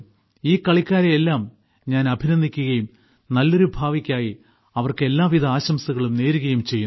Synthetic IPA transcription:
iːkɐɭikʲːaːɾeelːaːm | ɲaːnɐbʱinɐnd̪ʱikʲːuɣɐjum | nɐlːo̞ɾubʱaːʋikʲːaːji | ɐʋɐrkɨe̞lːaːʋid̪ɐaːɕɐmsuɣɐɭumne̞ːɾuɣɐjumt͡ɕe̞jːun

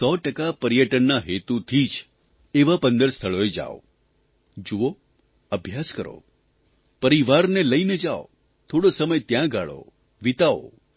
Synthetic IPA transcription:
sɔʈəkapəɾijəʈənːaɦet̪ut̪ʰid͡ʒ | eʋapənd̪əɾst̪ʰəɭoed͡ʒa̰o̰ | d͡ʒuo | əbʱjaskəɾo̰ | pəɾiʋaɾneləined͡ʒao̰ | t̪ʰoɽosəməjt̪jãɡaɭo̰ | ʋit̪ao̰

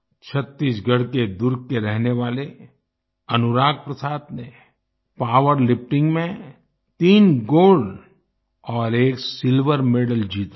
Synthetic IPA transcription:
t͡ʃʰət̪ːiːsɡʱəɽked̪ʊɾɡ̚kːeɾɛɦneʋaːle | ɐnʊɾaːɡ̚pɾɐsaːt̪ne | paːʋəɾlɪp̚ʈɪ̃ŋɡmẽ | t̪iːnɡoːɖ | ɔːɾeːksɪlʋəɾmeːɖəld͡ʒiːt̪

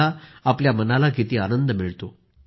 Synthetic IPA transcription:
aapljamənalaɡʱit̪iːanənd̪əmiɭt̪o

